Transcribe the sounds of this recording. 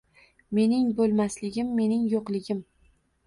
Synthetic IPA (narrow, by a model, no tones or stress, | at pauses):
me̞nɪŋbolˠmaslɪɡʲɪmːe̞nɪŋjoqlˠɪɡʲɪm